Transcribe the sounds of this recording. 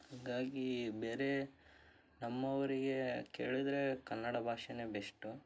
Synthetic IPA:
haːɡaːɡibeːɾe̞ | nɐmːɐʋɐɾiɡekḛːɭid̪ɐɾe̞kɐnːɐɽɐbʱaːʂɐnebeʂʈu

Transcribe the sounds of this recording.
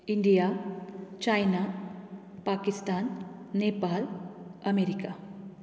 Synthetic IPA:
iɳɖija | t͡ʃajna | paːkist̪aːnːeːpaːlɐmeɾika

